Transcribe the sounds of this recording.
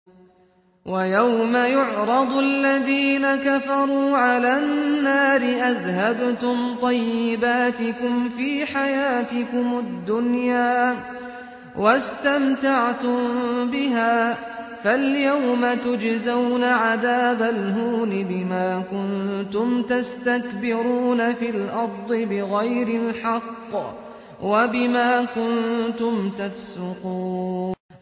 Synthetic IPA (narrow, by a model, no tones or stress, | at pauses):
wajawmajʊʕɾˤɑd̪ˤʔalːaðiːnakafɑɾˤuːʕalaːnnːaːɾɪʔaðhabt̪ʊmt̪ˤɑjːɪbaːt̪ɪkʊmfiːħajaːt̪ɪkʊmʊd̪ːʊnjaː | wast̪amtaʕt̪ʊmbɪɦaː | faljawmat̪ʊd͡ʒzawnaʕaðaːbalɦuːnɪbɪmaːkʊnt̪ʊmt̪ast̪akbɪɾuːnafilʔɑɾˤd̪ˤɨbɪɣajɾɪlħɑqː | wabɪmaːkʊnt̪ʊmt̪afsʊquːn